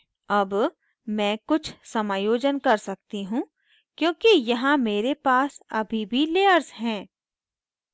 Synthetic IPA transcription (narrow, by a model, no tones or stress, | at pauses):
ɐb | mɛ̃ːkʊt͡ʃʰsɐmaːjoːd͡ʒənkɐɾsɐk̚t̪iɦũ | kjõːkijɐɦãmeːɾepaːsɐbʱibʱileːəɾzɦɛ̃ː